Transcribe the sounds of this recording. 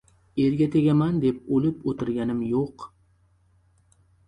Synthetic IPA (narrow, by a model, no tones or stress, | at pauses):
eɾɡʲat̪ʰeɡʲamand̪ep̚olɪpot̪ʰɪɾɡʲanɪmjoq